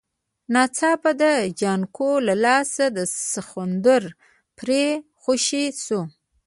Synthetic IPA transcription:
nɑt͡sɑbad̪əd͡ʒɑnkʰolalɑsad̪əsaxund̪əɾ | pɾe | xuʃisu

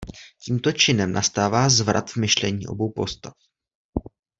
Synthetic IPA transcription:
ciːmt̪o̞t͡ʃɪnɛmnʔast̪aːvaːzvɾa̰t̪vmɪʃlɛɲiːʔo̞̰bo̞wpo̞st̪af

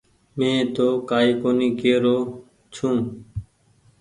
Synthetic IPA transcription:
mẽːt̪oːkaːiːkoːniːkeːɾoː | t͡ʃʰũː

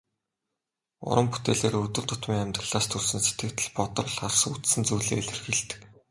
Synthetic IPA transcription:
ʊ̰ɾʔə̆mput̪eːɮeːrɵt̪ɵ̆ɮt̪ʊt̪miːŋæmʲt̪ə̆ɮaːst̪ʰɵɮsɘ̆nse̥t̪ɡɘ̆k̚t̪ɘ̆ɮpɔt̪ɞ̆rɮarsut͡s̪sɘ̆nt͡sujɮḛːɮʲɘ̆rxiɮt̪ɘ̥̆k

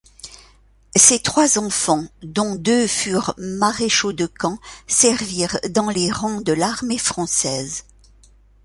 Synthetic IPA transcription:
set̪χwazɑ̃fɑ̃d̪ɔ̃d̪øfyʁmaʁeʃod̪əkɑ̃sɛʁviʁd̪ɑ̃leʁɔ̃d̪əlaʁmefχɑ̃sɛz

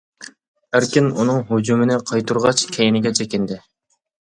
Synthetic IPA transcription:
æɾkʲɪnunɨŋɦud͡ʒumɪnɪqʰɑjt̪uɾʁɑt͡ʃkʲʰɛjɪnɪɡʲɛt͡ʃʰɛkʲɪnd̪ɪ

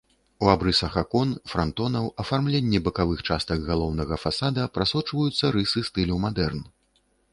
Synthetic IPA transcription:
uabɾɨsɐxakɔnfɾant̪ɔnɐwɐfarmlʲenʲːɛbɐkavɨxt͡ʂast̪ɐɡɣalˠɔwnɐɣɐfasad̪ɐpɾasɔt͡ʂvɐjut̪sːɐɾɨsɨst̪ɨlʲɐwmad̪ɛrn

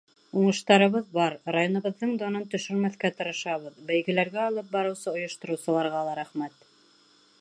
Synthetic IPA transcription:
uɴɤ̆ʃt̪ɑɾɤ̆βɤðbɑɾrajonɤ̆βɤ̆ðːɤɴd̪onɤnt̪ɵ̆ʃɵ̆ɾmæθkæt̪ɤ̆ɾɤ̆ʃɑβɤðbæjɡɘ̆læɾɡæɑlˠɤp̚bɑɾɤ̆wsɤŏjŏʃt̪ŏɾɤ̆wsɤ̆lˠɑɾʁɑlˠɑɾæχmæt̪

